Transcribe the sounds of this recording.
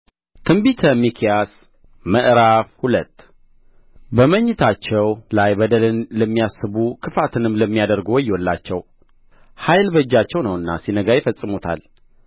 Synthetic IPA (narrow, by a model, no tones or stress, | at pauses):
t̪ʰɨmbit̪ʰəmikʰijas | məʔɾafhulət̪ː | bəməɲːɪt̪ʰat͡ʃːɛwlajbəd̪əlɨnləmːijasɨβukʰɨfat̪ʰɨnɨmːləmːijad̪əɾɡwɔjːwɔlːa̰t͡ʃːɛw | hajlbəd͡ʒːat͡ʃːɛwnəwɨnːa̰sinəɡajɪfəsʼɨmut̪ʰa̰l